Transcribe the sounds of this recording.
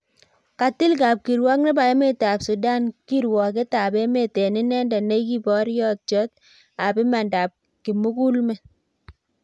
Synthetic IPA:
ka˨tɪ˦lka˨p̚ki˨ɾwɔ˦k̚ne˦ba˨e˦me˦te˨a˨psu˨da˦nki˦ɾwɔ˨k̬e˦ta˨be˦me˦˨te˨nɪ˦nɛ˦ndɛ˨ne˦ki˦bɔ˦ɾjɔ˦t̚t͡ʃɔ˦t | a˨pɪ˦ma˨nda˨p̚ | ki˨mu˦ku˦lmɛ˦

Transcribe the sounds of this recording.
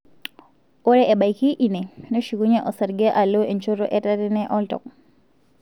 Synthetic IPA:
o˦ɾɛʔɛ˨ɓa˨jki˦ʔi˨nɛ˨no˦ʃi˨ku˦ɲɛ˦ʔɔ˨sa˨ɾɡɛ˦ʔa˨lo˦ʔe˨nt͡ʃo˦ɾo˦ʔɛ˦taɾɛ˦nɛ˦ʔɔ˦ltɔ̰˨k̚

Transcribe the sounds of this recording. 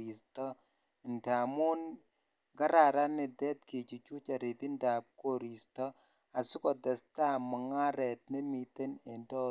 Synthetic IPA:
i˨stɔ˦ | ɪ˨nta˨mu˦n | ɡa˦ɾa˨ɾa˦nɪ˨dɛ˦t̚ki˨t͡ʃi˨t͡ʃu˦t͡ʃa˨ɾi˨pi˦nda˨p̚ko˨ɾi˨stɔ˦ | a˨sʊ˦kɔ˨d̪ɛ˨sta˦ma˨ŋa˦ɾɛ˨t̚ne˦mi˨t̪e˦ne˨ndɔ˦

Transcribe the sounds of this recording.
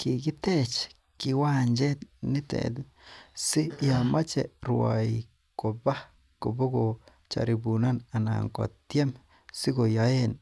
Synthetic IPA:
ki˨ɡi˦t̪e˦t͡ʃ | ki˧wa˦nd͡ʒe˦t̪ni˦t̪ḛ˨d̪u˦ | si˦ja˨ma˦t͡ʃe˨ɾua̰˨j | ko˨ba˦ | ko˨bo˦ɡo˨ | t͡ʃa̰˨ɾi˨bu˨na˦na˨na̰˨ŋko̰˨t̪je˦m | si˦ɡo˨ja˨e˦n

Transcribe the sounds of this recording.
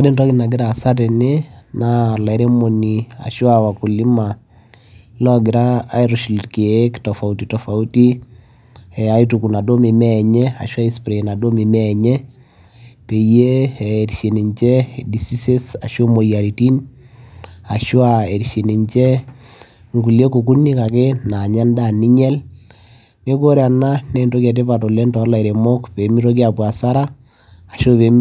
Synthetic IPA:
a˦de˦ndɔ˦ɡi˦na˨ɡɪ˦ɾa˨sa˦te˨ne˦na˦la˨˦ɾe˦mo˨ni˨a̰˨ʃwawa˨ku˨li˦ma˨ | lɔ˦ɡɪ˨ɾaː˦i˦ɾu˨ʃi˨lki˨e˨˦ktɔ˨fa˨utitɔ˨fa˨u˦ti˦ | ɛa˦i˦tuku˨na˨do˦me˨mɛɲɛ˦a̰˨ʃwa˦i˦spɾe˨na˨do˦mi˨mɛɲɛ˦ | pe˨jeː˦˨ɾiʃe˨ni˨ɲt͡ʃɛ˦di˨si˦se˦sa˨ʃo˦mo˨ja˨ɾi˨ti˦n | a˨ʃo˦a˨e˨ɾʃe˨ni˨ɲt͡ʃɛ˦ | ŋɡu˨lje˦ko˨ku˦ni˦ka˨ke˦na˨ɲa˦nda˦˨ni˦ɲɛ˦l | ne˦ko˦ɾea˨na˦ne˦˨nto˦k̬a˨t̬e˦pa˨to˨le˦ntɔ˨˦la˨i˨ɾe˨mo˦kpe˨˦mi˦ɾo˦k̬ja˨pwa˨sa˦ɾa˦ | a˨ʃo˦pe˨˦

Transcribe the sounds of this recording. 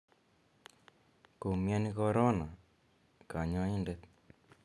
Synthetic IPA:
ko˨mja˦ni˦kɔ˧ɾo˦na˨ | ka˨ɲɔ˧i˦nde˦t̪̚

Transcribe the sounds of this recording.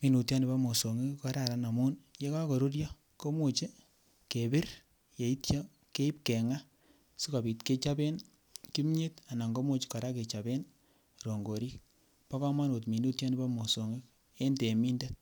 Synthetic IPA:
mi˨nu˨tja˦ni˨ba˦mo˨so˨ŋi˦kkɔ˨ɾa˨ɾa˦na˨mu˦nje˦ka˦ko˨ɾu˦ɾjɔ˦ | ko˦mo˨t͡ʃe˦ | ke˨bɪ˦r | je˨i˦tt͡ʃɔ˦ | ke˦i˦p̚ke˨ŋa˦ | su˦ka˨bi˨tke˦t͡ʃa˦be˦n | ki˦m˦ɲe˦ta˨na˨ŋɡo˦mo˦t͡ʃi̥˦kɔ˨ɾa˦ke˨t͡ʃa˨be˦n | ɾo˨ŋɡo˨ɾi˦k̚ | pa˦ka˦ma˦no˨tmi˨nu˦tja˦ni˦ba˦mo˨so˨ŋi˦k | e˦nte˨mi˦nde˦t̚

